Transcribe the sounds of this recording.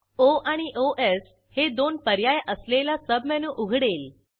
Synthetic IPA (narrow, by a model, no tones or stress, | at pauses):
oaɽ̃iʔoʔes | hed̪onpəɾjajʔəslelasəbmanũːʔuɡʱɽel